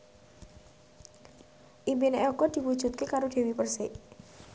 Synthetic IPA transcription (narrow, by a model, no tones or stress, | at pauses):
ʔimbineɔɡɔd̪̥i̤wud̥ʒ̥ṳt̪̚kekaɾod̪̥e̤wipərsɪʔ